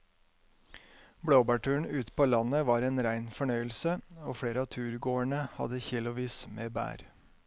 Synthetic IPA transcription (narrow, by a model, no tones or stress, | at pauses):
bɽoːbɑːʈʰʉːəɳ̩ʉːt̪pʰoːlɑnəʋɑːɾeːnɾæɪnfɔɳœʏəlsəoːfɽeːɾəɑːt̪ʰʉːɾɡoːəɳəhɑ̰d̪əçɪlʊʋiːsmeːbæ̰ːɾ